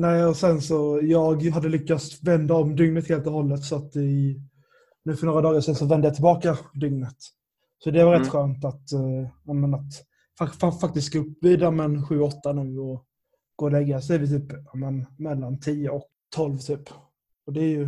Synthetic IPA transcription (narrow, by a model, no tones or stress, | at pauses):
næːɪɔsɛnsɔjɑːɡɦad̪ːəlʏkːat̪svɛnd̪aɔmd̪ʏŋnət̪heːlt̪ɔhɔlːət̪sɔat̪ɪ | nʉ̟ːfœnoːɾad̪ɑːɡaʂɛnsɔvɛnd̪əjat̪ʰɪlbɑːkad̪ʏŋnət̪ | sɔd̪ɛvaɾɛt̪ːɧøːnt̪at̪jamənat̪ | fafafak̚t̪ɪst̪̚ɡ̥aɵpːviːd̪amɛnɧʉ̟ːɔt̪ːanʉ̟ːɔ | ɡ̥oːlɛɡːasɛjvɪt̪ʰyːpjaːmənmɛlːant̪ʰiːʊɔk | t̪ʰɔlvt̪ʰyːp | ɔd̪ɛæjɵ